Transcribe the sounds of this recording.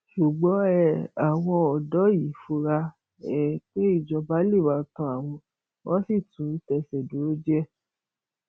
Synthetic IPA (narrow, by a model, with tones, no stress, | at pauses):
ʃu˨ɡ͡bɔ˨˦ɛ˨a˨w̃ɔ̃˧ɔ˨dɔ˨˦ji˨˦fo˧ɾa˧ | ɛ˦˨k͡pe˦i˦˨d͡ʒɔ˧ba˨˦li˦˨wa˨˧tɔ̃˨˧˦a˦˨w̃ɔ̃˧ | wɔ̃˦si˦˨tũ˨˦i˦tɛ˧sɛ˨do˨˦o˦d͡ʒɛ˦